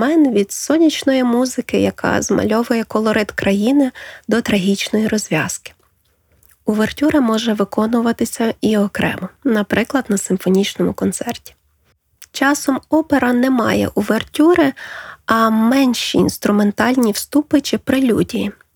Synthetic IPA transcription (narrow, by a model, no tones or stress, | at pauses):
mɛnʋʲid̪sɔnʲit͡ʃnɔjimuzɪkɪjɐkʰɑ̰zmɐ̰lʲɔʋʊjɛkɔlˠɔɾɪt̪kɾɐjinɪd̪ɔt̪ɾɐɦʲit͡ʃnɔjiɾɔzʲʋʲɑskɪ̥ | ʊʋertʲuɾɐmɔʒɛʋɪkɔnʊʋɐt̪ɪsʲɐiɔkɾɛ̰mɔnɐpɾɪklˠɐd̪nɐsɪmfɔnʲit͡ʃnɔmʊkɔnt̪sɛrtʲi̥ | t͡ʃɑsɔmɔpeɾɐnɛmɑ̰jɛ̰ʔuʋertʲuɾɪɐmɛnʲʃiːnst̪ɾʊme̞nt̪ɑlʲnʲiwst̪upɪt͡ʃɪpɾɪlʲudʲiji